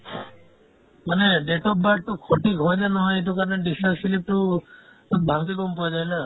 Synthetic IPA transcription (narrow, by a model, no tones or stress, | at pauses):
maneɖeʈɔpbaʈʈukʰoʈiɡʱɔjd͡ʒanɔɦɔ̃jeʈukaɾɔneɖisʈaksilip̚ʈu | ɔbʱãŋk̪̬ekɔmpɔjd͡ʒajla